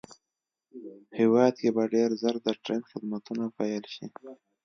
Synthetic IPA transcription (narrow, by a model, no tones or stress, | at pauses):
hɪwɑd̪̚kebaɖeɾzəɾd̪əʈɾenxɪd̪mat̪unapɑjəlʃi